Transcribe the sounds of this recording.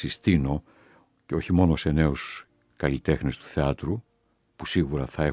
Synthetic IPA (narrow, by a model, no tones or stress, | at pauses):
ist̪ino̞ | ceo̞çimo̞no̞se̞ne̞os | kɐlit̪e̞xnest̪u̥θe̞ɐt̪ɾu | pusiɣuɾɐθɐe̞